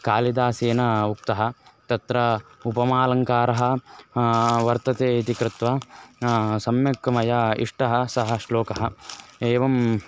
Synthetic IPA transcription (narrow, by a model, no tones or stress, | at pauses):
kaːlid̪aːseːnɐuk̚t̪ɐɦɐ̆t̪ɐt̪ɾɐupɐmaːlɐŋkaːɾɐɦɐ̆ | ʋɐɾt̪ɐt̪eːit̪ikɾɪt̪ʋɐ | sɐmjɐkːɐmɐjɐḭʂʈɐɦɐsɐɦɐʃloːkɐɦɐeːʋɐm